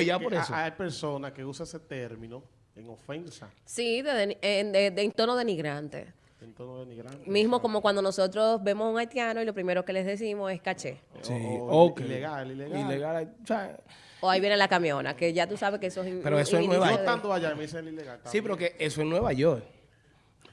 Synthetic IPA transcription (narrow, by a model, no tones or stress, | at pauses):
ʝapoɾesoajpeɾsonakeusaeset̪eɾmĩno | eŋofensa̰siðeðeed̪ed̪ent̪onoðemiɣɾant̪ḛ | ent̪onoðemiɾanmismoko̞mokwand̪ono̞so̞t̪ɾo̞sbe̞mosuŋajt̪janoilo̞pɾime̞ɾo̞kele̞zðe̞s̬imose̞skat͡ʃesiokleɣalileɣilleɣalajosea | oaiβjenelakamjo̞na̰keʝat̪usaβekeesoesipeɾoesoenweβat̪and̪oaʝajmeðiseelileɣalsipeɾokeʔesoesnweβaʝoɾ